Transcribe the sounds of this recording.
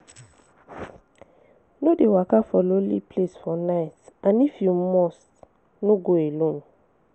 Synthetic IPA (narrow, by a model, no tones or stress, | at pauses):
nodewakafɔlolḭpʰlesfɔnaɪtãnifjumɔst | noɡoelõn